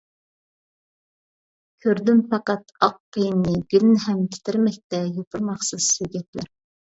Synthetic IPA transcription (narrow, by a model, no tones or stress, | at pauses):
kʲʰøɾd̪ympɑqɑt̪ɑqːəjnnɨɡʲylnɦɛmkʲʰɪ̥t̪ʰɪɾmɛk̚ʲt̪ɛjop̪ʰəɾmɑχsɨz̥seɡʲɛt̪ʰlæ̰ɾ